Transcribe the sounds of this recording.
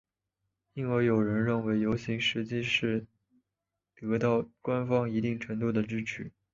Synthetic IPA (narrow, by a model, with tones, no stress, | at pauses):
i˥˩nwə˧˩ɪjo˨˩ʊɻə˧˥nɻə˥˩nwe˧˥ɪjo˧˥ʊɕi˧˥ŋʂɻ̩˧˥t͡ɕi˥˧ʂɻ̩˥˩ | t̪ɤ˧˥t̪ɑ˥˩ʊkwa˥nfɑ˥ŋi˧˥t̪i˥˩ŋʈ͡ʂʰɤ˧˥ŋt̪u˥˩d̪ə˩ʈ͡ʂɻ̩˥ʈ͡ʂʰy˧˥˦